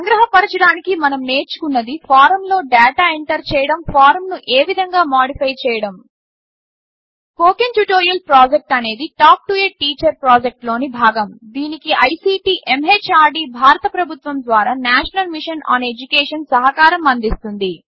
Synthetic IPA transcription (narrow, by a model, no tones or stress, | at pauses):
ɐŋɡɾɐɦɐpɐɾɐt͡ʃɐɽaːnikimɐnɐmneːɾt͡ʃu̥kunːɐd̪ipʰaːɾɐmlo̞ːɖɛːʈaːeɳʈɐɾt͡ʃɛːjɐɽɐmpʰaːɾmnuʔeːʋid̪ʱɐŋɡaːmaːɖipʰɐjt͡ʃɛːjɐɽɐm | koːkenjuʈoːɾijɐlpɾaːd͡ʒek̚ʈɐne̞ːd̪iʈaːk̚ʈueʈ̚ʈːiːt͡ʃɐɾpɾaːd͡ʒek̚ʈlo̞ːnibʱaːɡɐmd̪iːnikiʔɐjsiːʈiːʔemeːt͡ʃaːɾɖiːbʱaːɾɐt̪ɐpɾɐbʱut̪ʋɐmd̪ʋaːɾaːnaːʃɐnɐlmiʂɐna̰ːned͡ʒukeːʂɐnsɐɦɐkaːɾɐmɐnd̪ist̪und̪i